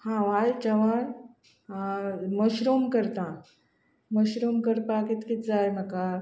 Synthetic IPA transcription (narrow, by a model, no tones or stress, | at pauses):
hãʋajt͡ɕɐʋan | aməɕɾumkəɾt̪ã | məɕɾumkəɾpakit̪kit̪d͡zajməka